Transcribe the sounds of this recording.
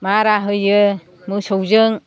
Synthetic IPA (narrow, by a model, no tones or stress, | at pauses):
maɾaɦɯjɯ | mɯsowzɯŋ